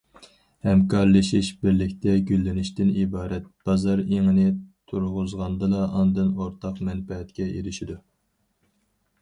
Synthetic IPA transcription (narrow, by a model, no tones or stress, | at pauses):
hɛmkʰɑɾlˠɨʃiʃbɪɾlɪkʲt̪ʰɛɡʲylːɪnɪʃt̪ɪnibɑːɾɛt̪̚b̥ɑzɑɾeŋɨnɪt̪ʰuɾʁʊzʁɑnd̪ɨlˠɑʔɑnd̪ɨnoɾt̪ʰɑqmɛnfɛɦɛt̪kʲɛeɾɪʃid̪u